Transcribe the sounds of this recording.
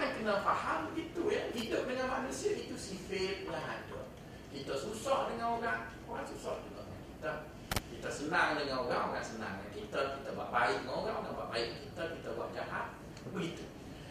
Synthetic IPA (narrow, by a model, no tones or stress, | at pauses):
ankənafahambəɡit̪ujahidʊp̚dəŋanmanusiəʔit̪usifɪt̪̚laɦatṵ | kit̪əsusɔʔdəŋanoɾaŋ | oɾaŋsusɔ̰ʔduɡa̰ʔŋa̰nkit̪ə | kit̪əsənaŋdəŋanoɾaŋoɾaŋsəna̰ŋa̰kit̪əkit̪əba̰ʔbaɪkdəŋanoɾaŋoɾanba̰ʔbaɪʔ̚kit̪əkit̪aba̰ʔd͡ʒaɦa̰t̪̚ | bəɡit̪u